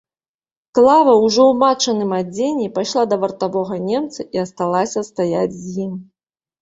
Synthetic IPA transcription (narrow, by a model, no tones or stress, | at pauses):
klˠavɐwʐɔwmat͡ʂɐnɨmad͡zʲenʲːipajʂlˠad̪ɐvɐrt̪avɔɣɐnʲɛmt̪sɐiɐst̪alˠasʲɐst̪ajad͡zʲzʲjim